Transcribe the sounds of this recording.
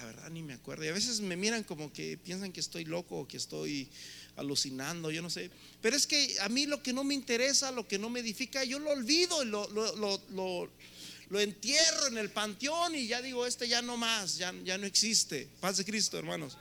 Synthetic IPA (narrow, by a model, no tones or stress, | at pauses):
aβe̞̰ɾða̰nimeakwe̞ɾð̞ojaβe̞s̬e̞zme̞miɾaŋko̞mo̞kḛpje̞nsaŋkeest̪o̞jlo̞koːkest̪o̞̰ja̰lusinand̪o̞ʝo̞no̞se̞ | pe̞ɾo̞e̞ske̞amilo̞ke̞no̞meint̪e̞ɾe̞salo̞ke̞no̞meðifikaʝo̞loːlβiðo̞ilolololo | loe̞nt̪jeroene̞lpant̪joniʝaðiɣo̞e̞st̪e̞ʝano̞masʝaʝano̞e̞ksist̪epazðe̞kɾist̪oe̞ɾmãno̞s